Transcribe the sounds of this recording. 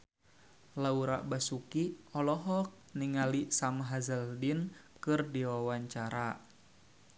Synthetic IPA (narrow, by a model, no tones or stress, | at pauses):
lauɾa̰ʔbasukiɔlɔɦɔk̚niŋalisamɦazəldinkɨrdiwawaɲt͡ʃaɾa